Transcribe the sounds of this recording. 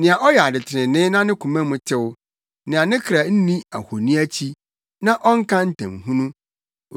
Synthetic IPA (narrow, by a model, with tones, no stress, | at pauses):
nɪ̃˨a˨ʔɔ˦jɛ˨a˨dɪ˨tʰɪ˨ɾɪ̃˨nɪ̃˦nã˦nɪ̃˦kʰũ˨mɛ̃˦mʊ̃˨tʰɪ˦w | nɪ̃˨a˨nɪ̃˦kʰɾa˨n̩˦nĩ˦a̰˨ho˨nĩ˦æ˦t͡ɕʰi˦ | nã˦ʔɔ˦ŋ̩˦kʰã˦n̩˦tʰã̰˨mɦũ˦nũ˦˨